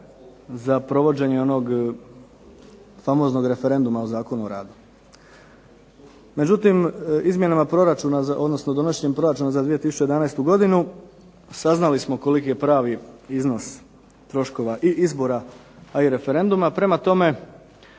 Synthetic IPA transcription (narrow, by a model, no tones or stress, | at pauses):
zapɾo̞ʋo̞d͡ʑe̞ɲe̞o̞no̞ɡ | famo̞zno̞ɡɾe̞fe̞ɾe̞nd̪umaozaːko̞nuoɾa̰ːd̪u | me̞d͡ʑut̪imizmje̞namapɾo̞ɾat͡ʃunazʔod̪no̞snod̪o̞naʃɲempɾo̞ɾat͡ʃunazad̪ʋije̞t̪isu̥t͡ʃejd̪anajst̪uɡo̞d̪inu | saznalismoko̞likije̞pɾaːʋiizno̞s | t̪ɾo̞ʃko̞ʋaʔiʔizbo̞ɾa | aiɾe̞fe̞ɾe̞nd̪umapɾe̞mat̪o̞me̞